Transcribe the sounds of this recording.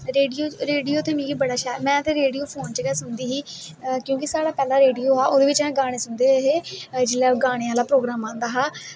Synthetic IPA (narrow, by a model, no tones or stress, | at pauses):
ɾeːɖioːɾeːɖioːt̪eːmĩːɡiːbəɽaːʃaːmɛ̃ːət̪ẽːɾeːɽijoːpʰoːnt͡ʃːɡɛːsʊnd̪iːɦiːkjõːkɪsaːɽaːpɛːlaːɾeːɖijoːɦaːʔoːd̪eːʋɪt͡ʃɛ̃ːɡaːɽ̃eːsʊnd̪eːɦeːd͡ʒɪlːɛːɡaːɽ̃eːãːlaːpɾoːɡɾaːmãːnd̪aːɦaː